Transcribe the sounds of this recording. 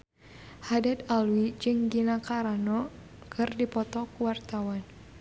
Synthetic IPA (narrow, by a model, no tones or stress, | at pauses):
hadad̪alwid͡ʒɨŋɡinakaɾanɔ | kʰɨrdipɔt̪ɔkuwart̪awan